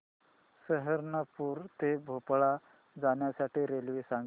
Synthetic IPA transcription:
səɦəɾnəpuːɾt̪ebʱopɭa | d͡zaɳjasaʈʰiːɾelʋisaŋɡ

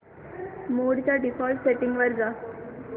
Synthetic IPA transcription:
moːɽit͡ʃaːɖifɔːlʈseʈːɪ̃ŋɡʋɐɾɡaː

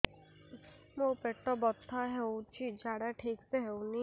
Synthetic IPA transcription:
mopeʈːɔbɔt̪ʰːaɦewt͡ʃʰid͡ʒaɽaʈʰiːkseɦewni

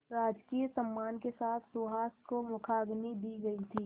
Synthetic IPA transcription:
ɾaːd͡ʒkiːjsəmːaːnkesaːt̪ʰsuɦaːskomʊkʰaːɡnid̪iɡɐit̪ʰiː

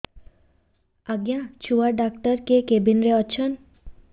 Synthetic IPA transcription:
aɡjãt͡ɕʰuʋaɖakʈəɾkekebinɾeət͡ʃʰən

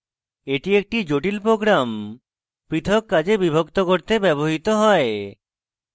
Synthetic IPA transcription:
eʈiek̚ʈid͡ʒoʈilpɾoɡɾam | pɾit̪ʰɔkːad͡ʑebibʱokt̪okoɾt̪ebɛboɦit̪oɦɔe

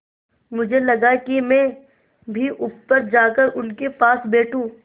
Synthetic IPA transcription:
mʊd͡ʒʱelɐɡakimɛ̃ː | bʱiʔʊpːəɾd͡ʒaːkəɾʊlkepaːsbeːʈʰũː

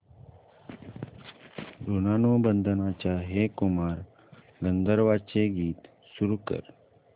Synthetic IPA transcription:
ɾonaːnobənd̪ʱənãt͡ɕaɦekumaːɾ | ɡənd̪ʱəɾʋat͡ɕeɡiːt̪ | suɾuːkə̰ɾ

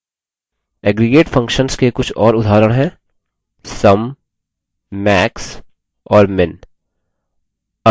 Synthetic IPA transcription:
ɛːɡɾeɡeːʈfʰɐ̃ŋkʃənskekʊt͡ʃʰɔːɾʊd̪ʱaːɾəɽ̃ɦɛ̃ː | sɐm | ɛːks | ɔːɾmɪn | ɐ

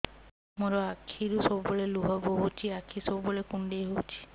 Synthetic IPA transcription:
moɾoakʰiɾusobboleluɦɔboɦut͡ʃʰiakʰːisobbolekuɳɖejɦowt͡ʃʰi̥

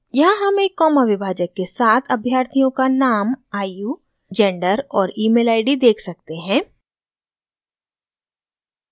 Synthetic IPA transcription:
jɐɦãɦɐmekːɔːməʋɪbʱaːd͡ʒəkːesaːt̪ʰɐbʱjaːɾt̪ʰijõkanaːmaːijuː | d͡ʒɛ̃ːɳɖəɾɔːɾiːmeːlaːɪɖid̪eːkʰsɐk̚t̪eɦɛ̃ː

